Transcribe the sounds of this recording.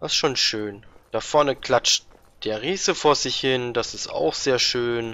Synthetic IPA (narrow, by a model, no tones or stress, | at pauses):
asʃoːnʃøːnd̥afɔɐnəkl̥at͡ʃt | d̥eːɐʁiːsəfoːɐzɪçhɪnd̥asɪsta̰ʊxz̥eːɐʃøːn